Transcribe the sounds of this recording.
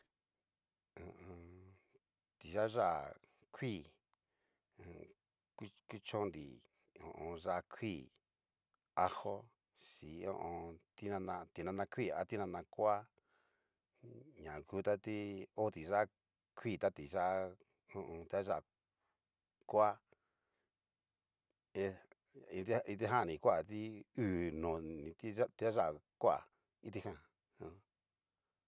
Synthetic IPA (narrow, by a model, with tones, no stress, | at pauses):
õ˨õ˧ | t̪i˨ʒa˦ʒa˦˨ | kʰi˦˨ | õ˨ | ku˦ku˦t͡ʃõ˦nd̪ḭ˨ | õ̰˨ʔõ˧ʐa˧kʰi˦˨ | a˦ho˦ | si˨õ̰˧ʔõ˧t̪i˦nã˧nã˧t̪i˧nã˧nã˧kʰʷi˦˨a̰˧˦t̪i˦nã˧nã˧kʷa˦ | ɲã˨ku˦t̪a˦t̪i˦o˦˧t̪i˨ʒa˦ | kʰʷi˦˨t̪a˦t̪i˨ʒa˦ | õ˧ʔõ˧t̪e˧˦a˦ʒa˦ʔ | kʷa˦ | e˦˧ | ĩ˧t̪i˦˧ĩ˧t̪i˦ɦã˦˨nĩ˨kʷa˦˨t̪i˦u˦˨nõ˨nĩ˨˧t̪i˦a˦t̪a˦ʒa˦ʔ | kʷa̰˧˨ | i˦t̪i˧hã˦˨ | õ˧